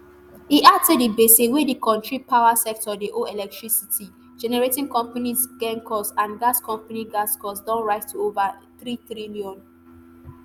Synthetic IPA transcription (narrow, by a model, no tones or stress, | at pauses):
hiʔatɛdibesewedikɔ̃ntɹipʰaʊasɛk̚tɔdiʔoɛlɛk̚tɹisitʰi | d͡ʒɛnɛɹetĩŋkɔ̃mpanisɡɛ̃ŋkʰɔsãnɡaskɔ̃mpaniɡaskɔsdɔ̃nɹaɪstʰuovaθɹiθɹiliɔ̃n